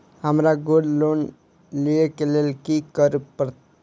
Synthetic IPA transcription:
ɦəmɾaɡoɾlon | liekelelkikəɾupəɾt̪

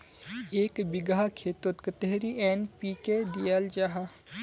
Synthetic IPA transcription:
eːkbɪɡakʰeːt̪ot̪kət̪eɦɾiʔɛːnpiːked̪ijald͡ʒaɦa

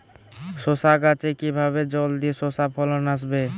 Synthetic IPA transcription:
sosaɡat͡ʃekibʱaβed͡ʒɔld̪isosapʰɔlɔnas̬be

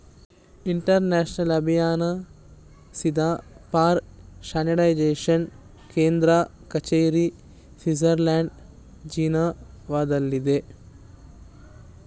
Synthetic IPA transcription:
iɳʈɐɾnaːʃnɐlɐbʱijaːnɐ | sid̪ʱaːpaːɾʃaːniʈɐjd͡ʒeːʂɐn | keːnd̪ɾɐ | kɐt͡ʃejɾi | sizɐɾlaːɳɖ | d͡ʒiːna | ʋaːd̪ɐlːid̪e

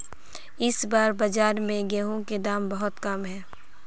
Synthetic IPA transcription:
ɪsbaːɾbɐd͡ʒaːɾmẽɡeːɦõked̪aːmbɐɦʊt̪kɐmɦɛː

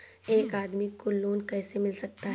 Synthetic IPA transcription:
eːkaːd̪mikoloːnkɛːsemɪlsɐk̚t̪aɦ

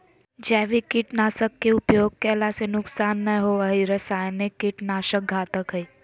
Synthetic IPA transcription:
d͡ʒɛːʋikiʈnaːsəkːeʊpjoːɡ̚kelasenʊksaːnːəɦoəɦiɾɐsaːjnekiʈnaːʃək̚ɡʱaːt̪əkɦəi

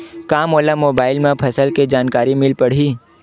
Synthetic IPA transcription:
kaːmoːlamoːbaːɪlmẽpʰɐsəlked͡ʒaːnkaːɾimɪlpɐɽ̤iː

